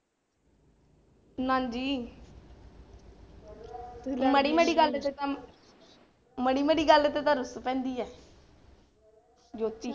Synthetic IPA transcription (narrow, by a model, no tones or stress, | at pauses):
nãːnd͡ʒiː | məɽiːmeːɽiːɡəlet̪et̪ãː | məɽiːmeːɽiːɡəlet̪eːt̪ãːɾʊspɛ̃ːnd̪iːɛː | d͡ʒoːt̪ːiː